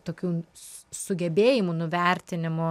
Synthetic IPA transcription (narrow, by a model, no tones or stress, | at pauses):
t̪oːkʲuː | sʊɡʲɛbʲeːjɪmunʊʋʲɛɾʲt̪ʲɪnʲɪmʊ